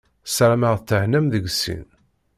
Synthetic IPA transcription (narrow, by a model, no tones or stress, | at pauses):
sɾæməʁθt͡sːəhnæmðəɡsːḭn